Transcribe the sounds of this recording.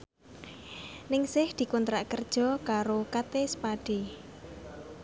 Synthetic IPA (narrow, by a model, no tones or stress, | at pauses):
nɪŋsɪhd̪̥i̤kunt̪ɾaʔkərd̥ʒ̥ɔ̤kaɾokat̪esə̥paɖ̥e